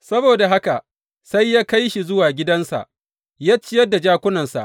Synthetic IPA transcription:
sɐ˦boː˨da˨ɦa˦ka˨ʔ | sa˦jːaː˦ka˦jʃi˨zʊ˦waː˨ɡʲɪ˦dɐ˦nsa̰˨ʔ | jaː˦t͡ʃːɪ˦jɐ˦dːa˨d͡ʒaː˦kʷʊ˦nɐ˨nsa̰˨ʔ

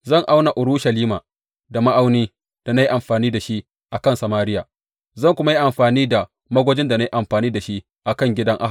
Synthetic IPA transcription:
zɐ˦˨ŋʔa˦wna˨ʔʊ˨ɾu˦ʃɐ˨liː˦maː˨ | da˨ma˦ʔa˦wniː˦ | d̥a˨na˦ji˦ʔa˨mɸaː˨niː˦da˨ʃi˦ʔ | ʔa˨kɐ˦nsa˨maː˦ɾɪ˦jaː˨ | zɐ˦˨ŋkʷʊ˦ma˦ji˦ʔa˨mɸaː˨niː˦da˨ | mɐ˦ɡʷo˦d͡ʒɪ˦nda˨na˦ji˦ʔa˨mɸaː˨niː˦da˨ʃi˦ʔ | ʔa˨kɐ˦ŋɡʲɪ˦dɐ˦ŋʔa̰˦˨

